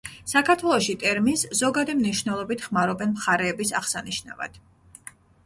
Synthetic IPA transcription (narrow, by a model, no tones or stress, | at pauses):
sakʰaɾt̪ʰwɛlˠɔʃit̪ʼɛɾminsz̥ɔɡad̪imniʃvnɛlˠɔbit̪ʰχmaɾɔbɛnmχaɾɛːbisaχsaniʃna̰va̰d̪̥